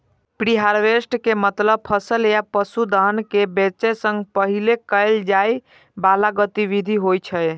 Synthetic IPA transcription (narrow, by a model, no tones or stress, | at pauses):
pɾiɦaɾʋesʈkemət̪ləb̚pʰəsəlejapəsud̪əɦnkebet͡ʃɛsə̃ŋɡpəɦilekəɪld͡ʒaj | balaɡət̪iβid̪ʱiɦojt͡ʃʰəj